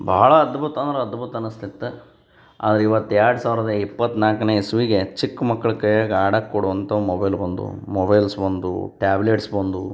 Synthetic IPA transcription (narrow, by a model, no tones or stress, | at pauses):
bʱɐːɐɭɐːd̪bʱut̪ɐnd̪ɐɾɐɐd̪bʱut̪ɐnɐst̪ʰit̪ːe | a̰ːd̪ɐɾeiʋɐt̪ːjaːɽsaːʋiɾɐd̪ɐipːɐt̪ːnaːkɐneːsuʋiɡe̞t͡ʃikːmɐkːɐɭɐkːɐaːɡaːɽɐkːoɽuʋɐnt̪ɐmobɐjlbɐnd̪ṵmɔbɐjlsbɐnd̪ṵʈaːbleʈsbɐnd̪u